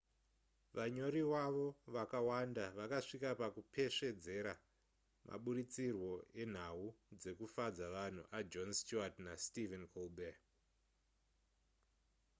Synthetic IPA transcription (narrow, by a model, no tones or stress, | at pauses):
ʋaɲo̞ɾiwaʋo̞ʋakawandaʋakaʂikapakupʰe̞ʂe̞d͡ze̞ɾa | mʔa̰ɓuɾit͡sirwo̞e̞n̤aud͡ze̞kufad͡zaʋan̤ṵʔad͡ʒo̞nst͡ʃuatnastivenkʰolbe